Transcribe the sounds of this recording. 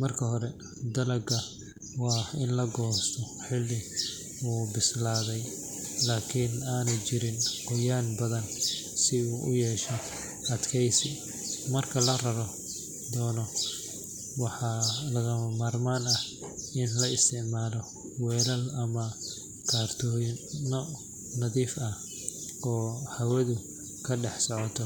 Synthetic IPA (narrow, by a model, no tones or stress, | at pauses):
mɐrkʰɐɦɔɾɛ | d̪ɐlɐɡɐ | wɑːɪnlɐɡɔːst̪ʰɔħɪlːɪ | uːbɪslaːðɛj | laːkʰɪnaːnɐt͡ʃɪɾɪnqɔjaːnbɐðɐn | sɪuːʔʊ̰jɛːʃɛ | ɐd̪kʰɛjsɪ | mɐrkʰɐlɐrɐɾɔ | d̪ɔːnɔ | wɑħɑlɐɣɐmɐmaːrmaːnɐh | ɪnlɐɪst̪ʰɪʕmaːlɔ | wɛːlɐlɐmɐ | kʰaːrt̪ʰɔːnɔ | nɐðiːfɐh | ɔːhɐwɐðʊ | kʰɐɖɛħsɔʕɔt̪ʰɔ